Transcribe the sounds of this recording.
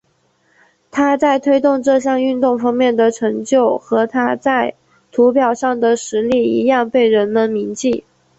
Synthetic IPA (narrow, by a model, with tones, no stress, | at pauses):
t̪ʰa˥t͡sa˥˩ɪt̪ʰwe˥ɪt̪ʊ˥˧ŋʈ͡ʂɤ˥˧ɕjɑ˥˧ŋy˥˧nt̪ʊ˥˩ŋfɑ˥ŋmjɛ˥˩nd̪ə˩ʈ͡ʂʰɤ˧˥ŋt͡ɕjo˥˩ʊxɤ˧˥t̪ʰa˥t͡sa˥˩ɪ | t̪ʰu˧˥pjɑ˨˩ʊʂɑ˥˩ŋd̪ə˩ʂɻ̩˧˥li˥˩i˧˥jɑ˥˧ŋpe˥˩ɪɻə˧˥nmə˧nmi˧˥ŋt͡ɕi˥˩